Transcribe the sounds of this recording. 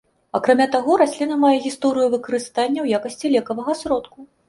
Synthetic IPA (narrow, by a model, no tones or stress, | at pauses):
akɾamʲat̪aɣɔɾasʲlʲinɐmajɛɣʲist̪ɔɾɨjuvɨkɐɾɨst̪anʲːɐwjakɐsʲt͡sʲilʲɛkɐvɐɣɐsɾɔt̪ku